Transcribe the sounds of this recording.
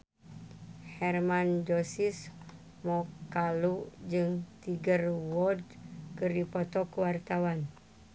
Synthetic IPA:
hɛrmand͡ʒosis | mɔkalud͡ʒɨŋt̪iɡərwɔdkɨrdipɔt̪ɔkuwart̪awan

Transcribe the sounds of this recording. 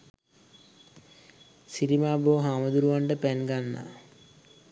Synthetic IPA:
siɾimaːboːɦaːmɐd̪uɾuʋaːɳɖɐpenɡanːa̰

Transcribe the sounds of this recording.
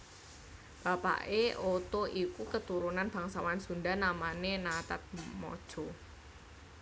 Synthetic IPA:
b̥a̤pa̰ʔeʔot̪oʔikukət̪uɾunanb̥äŋsawansundanamanenat̪at̪̚mɔ̰d̥ʒ̥ɔ

